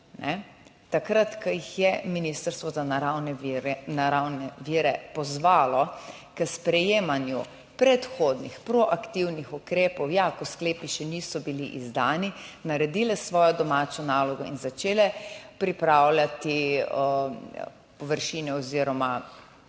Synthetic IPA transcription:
nʔɛ̰ | t̪akɾat̪kəjixjɛminist̪əɾst̪ʋɔzaɾawnɛɾnaɾawnɛʋiːɾɛpɔzʋaːlɔ | kəspɾɛjeːmanju | pɾɛt̪xoːd̪nixpɾɔʔakt̪iwnixukɾeːpɔwjakɔskleːpiʃɛnisɔbilḭʔizd̪aːninaɾɛd̪iːlɛsʋɔːjɔd̪ɔmaːt͡ʃɔnaːlɔɡɔḭnzat͡ʃeːlɛpɾipɾaːwlʲat̪i | pɔʋəɾʃiːnɛɔziɾɔma

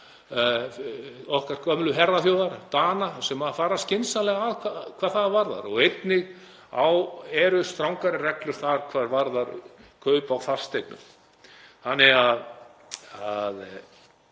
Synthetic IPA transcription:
ɔhkar̥kʰœmlʏɦɛɾðaθjoːwðaɾt̪aːnasɛmaðfaːɾascɪnsalɛɣaðkʰakʰv̥aːðθaðvaɾða̰ɾɔɣejt̪nɪɣ | awɛɾʏst̪ɾawŋkaɾɪrɛklʏɾ̥θaɾ̥kʰvaːɾvaɾðaɾkʰœɥpawθar̥st̪ejknʏ̰m | hanːɪɣað | að

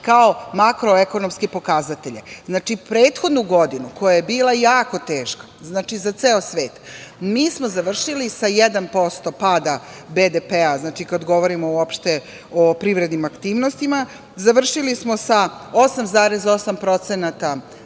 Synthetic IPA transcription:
kao̞makɾo̞eko̞no̞mskepo̞kazat̪e̞ʎeznaːt͡ʃipɾe̞ːt̪xo̞d̪nuɡo̞d̪inuko̞jajebiːlajaːko̞t̪e̞ːʃkḁ | znaːt͡ʃizat̪seːosʋe̞ːt̪miːsmozaʋr̩ʃilisajed̪anpo̞st̪o̞paːd̪abed̪epeaznaːt͡ʃikad̪ɡo̞ʋo̞ɾimo̞uopʃt̪e | opɾiʋɾe̞d̪nimakt̪iːʋno̞st̪ima | zaʋr̩ʃilismosaosamzaːɾezosampɾo̞t̪senat̪a

